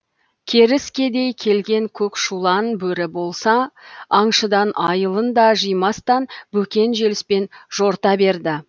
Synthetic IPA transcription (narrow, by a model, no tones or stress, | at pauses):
kʲʰe̞ɾɪskʲe̞d̪e̞jkʲʰe̞lɡʲe̞ŋkʲʰɵkʃulˠɑnbɵɾɪbo̞lˠsɑɑɴʃəd̪ɑnʔɑjəlˠənd̪ɑʒijmɑst̪ɑnbɵkʲe̞nʒe̞lɪspe̞nʒ̥o̞ɾt̪ɑbe̞ɾd̪ɪ